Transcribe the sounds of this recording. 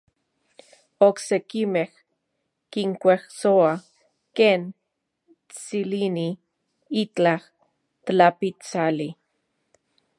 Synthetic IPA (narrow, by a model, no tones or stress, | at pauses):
oksekimeh | kiŋkʷehsoa | keːn | t͡silini | it͡ɬah | t̪lapit͡sali